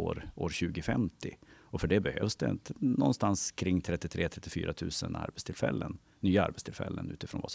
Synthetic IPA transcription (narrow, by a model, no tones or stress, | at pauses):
oːɾoːɾɕʉ̟ːɡɪfɛmt̪ɪɔfœɖɛbɛhøːvsd̪ɛɪ̰nt̪ənɔnːst̪anskʰɾɪŋːt̪ʰɾɛt̪ːɪt̪ʰɾeːt̪ʰɾɛt̪ːɪfy̰ːɾat̪ʰʉ̟ːsəna̰ɾbɛt̪st̪ʰɪlfɛlːənːyːaa̰ɾbɛt̪st̪ʰɪlfɛlːənʉ̟ːt̪ɪfɾoːnva̰s